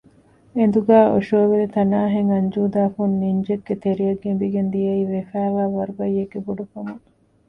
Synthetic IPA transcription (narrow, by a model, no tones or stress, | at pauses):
end̪uɡæːʔo̰ʃoːʋelit̪ɐnaːɦeŋɐɲd͡ʒuːd̪aːfunːiɲd͡ʒeɡːet̪eɾijɐɡembiɡend̪ijɐiːʋefæːʋæːʋɐɾubɐjeɡːebuɖufɐmuŋ